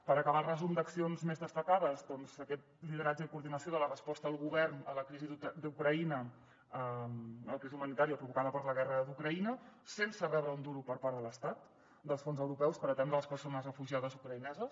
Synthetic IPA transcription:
pəɾəkəβalˠrəzumd̪əksionzmezðəst̪əkaðəzðɔnzəkɛt̪̚liðəɾad͡ʒəðəkuɾðinəsioðələrəspɔst̪əəlˠɣuβɛrnələkɾizid̪ukɾəinə | əəlˠkɾizumənit̪aɾiəpɾuβukaðəpəɾləɣɛrəd̪ukɾəinəsensəβɛðɾəund̪uɾupəɾpaɾðələst̪at̪ | d̪əlˠsfonzəwɾupɛwspəɾət̪ɛnd̪ɾələspərsonəzrəfuʒiaðəzukɾəinɛzəs

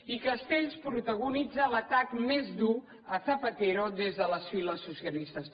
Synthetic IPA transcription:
ikəst̪eʎspɾut̪əɣunid͡zələt̪akmezd̪u | əθəpət̪eɾod̪ezðələsfiləsːusjəlist̪əs

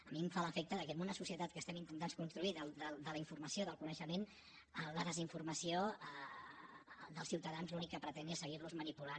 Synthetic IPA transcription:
əmiɱfaləfɛk̚t̪əðəkɛmunəsusiət̪at̪kəst̪ɛmint̪ənt̪anskunst̪ɾuiðəld̪əld̪ələiɱfurməsioðəlˠkunəʃəmen | ələðəziɱfurməsioə | d̪əlˠsiwt̪əðanzlunikːəpɾət̪ɛnesəɣ̞irluzmənipulan

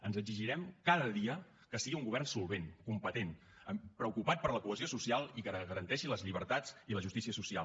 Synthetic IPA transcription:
ənzəɡziʒiɾɛmkaðəðiə | kəsiɣiuŋɡuβ̞ɛrnsulˠβ̞enkumpət̪en | əmpɾəukupat̪̚pəɾləkuəziosusialˠikəɣəɾənt̪ɛʃiləzʎiβ̞əɾt̪ad͡ziləʒust̪isiəsusia̰l

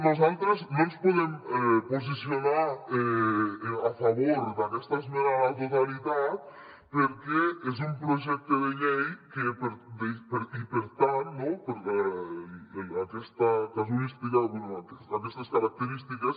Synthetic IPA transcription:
nos̬alt̪ɾesnõnspoðemɛpos̬isjonaɾɛ | afaβoɾd̪akɛst̪ɐsmeɾaat̪oðalit̪at̪ | peɾkeɛs̬umpɾoʒɛk̚t̪oðeʎejkepeɾd̪epeɾipeɾt̪aɾnõpoɾɛ | akɛst̪ɐkas̬uɾist̪ikaenoat̪eakɛst̪ɐskaɾak̚t̪eɾist̪ikɐs

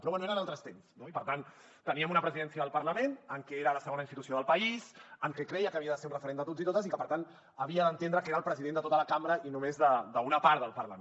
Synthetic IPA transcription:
pɾɔβwɛnueɾənalˠt̪ɾəst̪emsnoipəɾt̪an | t̪əniəmunəpɾəziðɛnsiəðəlˠpəɾləmenəŋkɛeɾələsəɣonainst̪it̪usioðəlˠpəizəŋkɛkɾɛjəkəːβiəðəseɾunrəfəɾend̪ət̪ozit̪ot̪əsikəpəɾt̪an | əβiəðənt̪enɾəkeɾəlˠpɾəziðend̪ət̪ot̪ələkamɾəʔinumezðəd̪əunəpaɾðəlˠpəɾlə̰m

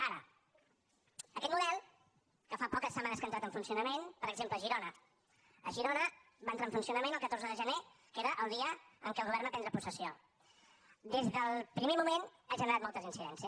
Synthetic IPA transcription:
aɾə̰ | əkɛt̪muðɛlˠ | kəfapɔkəsːəmanəskənt̪ɾat̪əɱfunsiunəmenpəɾəɡzempləːʒiɾonə | əʒiɾonə | bant̪ɾaɱfunsiunəmenəlˠkət̪orzəðəʒəne | keɾəʔəlˠd̪iəəŋkɛəlˠɣuβɛɾrnəp̪ɛnd̪ɾəpusəsio | d̪ezðəlˠpɾimemumenaʒənəɾat̪mɔlˠt̪əzinsiðɛnsiə

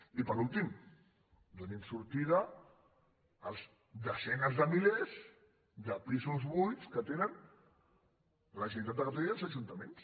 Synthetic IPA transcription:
ipəɾulˠt̪im | d̪unɛmsuɾt̪iðə | lˠz | d̪əsɛnəzðəmilez | ðəpizuzβujskət̪enən | ləʒənit̪at̪d̪əkat̪ɔlialzəʒunt̪əmens

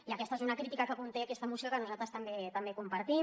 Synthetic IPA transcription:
iakest̪aezunakɾit̪ikakapunt̪eakest̪amusikakanoznat̪ast̪ambet̪ambekumpaɾt̪i

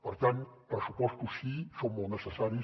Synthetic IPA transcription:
pəɾt̪anpɾsupɔst̪usisoŋmolnəsesaɾi

